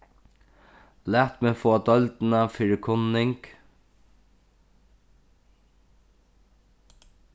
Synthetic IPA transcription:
læːt̪meːfoːd̪ɔlt̪n̩ɑfɪɹəkʰʊnːɪŋk

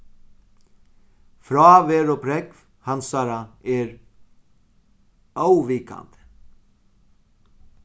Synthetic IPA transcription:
fɾɔvɛːɾɔpʰɾɛkv | hansaɾaɛɾ | awʋiːka̰nt̪ə̥

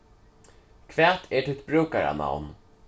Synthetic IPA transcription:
kʰvæːt̪ʰɛt̪ʰɪt̪̚bɾʉːkaɾa̰na̰wn

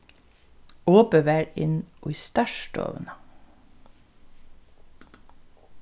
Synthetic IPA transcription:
oːpəʋæːɾɪnoːiːst̪ɑʃʈo̰ːʋnɑ

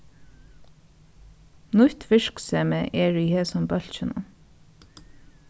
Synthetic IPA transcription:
nʊt̪fɪʃksɛːməʔɛːɹiːheːsɔmbœl̥t͡ʃənʊ̰

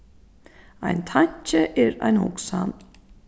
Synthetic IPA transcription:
a̰jnt̪ʰaɲ̥t͡ʃɪʔɛɾa̰jnhʊ̰ksan

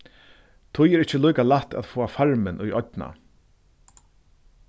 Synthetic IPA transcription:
t̪ʰʊjɛɾɪht͡ɕːəlujkalaht̪a̰ðfoːafaɹmɪnʔujʔɔt̪na̰

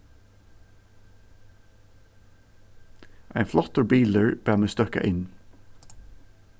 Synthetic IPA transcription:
ʔæ̰ɪnflɔt̪əɹbiːləɹb̥æːmeːst̪œka̰ʔɪn

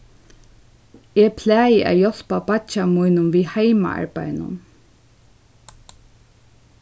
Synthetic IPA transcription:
ɛpʰlɛːjɪʔa̰ːjɔl̥papat͡ʃamujnʊnviːhajma̰a̰ɹpajnʊ̰n

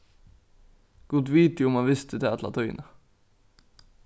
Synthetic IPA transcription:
ɡ̥ud̪ʋiːt̪jʊmɑnʋɪst̪əd̪ɛɑt̪lɑ̰ːt̪ʰœʏnə

